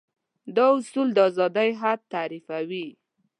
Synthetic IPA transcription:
d̪ɑʊsuld̪əzɑd̪ajɦad̪̚t̪aɾifawi

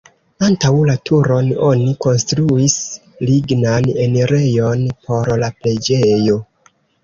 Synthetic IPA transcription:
antawlatʰuɾo̞no̞niko̞nstɾuis | liɡnane̞neɾe̞jonpo̞ɾlaple̞d͡ʒejo̞

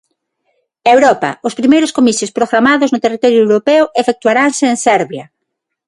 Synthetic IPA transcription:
ewɾɔpa̰ʊspɾimejɾʊskomiθjospɾoɣɾamaðʊznʊt̪erit̪ɔɾjʊewɾopewefek̚t̪waɾaŋseːnsɛɾβjɐ

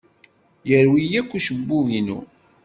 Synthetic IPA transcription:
jəɾwijækʷːuʃəbːuvinṵ

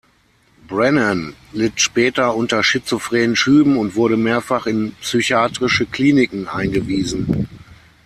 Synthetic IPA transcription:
bʁɛnənlɪtʃpɛːtɐʊntɐʃɪt͡sofʁ̥ɛːənʃyːbm̩ʊntv̥ʊɐɾəmeːɐfaχɪnpsyçaːtʁ̥ɪʃəkl̥iːnɪkŋ̩ʔa̰ɪnɡəviːzn̩

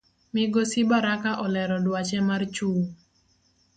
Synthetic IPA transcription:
mɪɡɔsibaɾakaʔɔlɛɾɔdwat͡ʃɛmart͡ʃuː

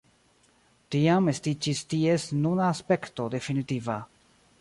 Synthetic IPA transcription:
tiame̞stit͡ʃistie̞snunaːspe̞kto̞de̞finitiva

